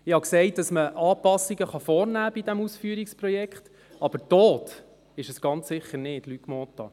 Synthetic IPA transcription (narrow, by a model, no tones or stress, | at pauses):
ɪhɑksɛɪt̚d̥ɑsməʔɑːpɑsːiɡəχɑfɔːɾnæːb̥idɛmusfyːɾikspɾɔjɛkχt | ɑb̥əɾtɔːt | ɪʃəsɡ̥ɑnt͡ssɪχəɾnɪtlykmɔːt̪ːɑ̰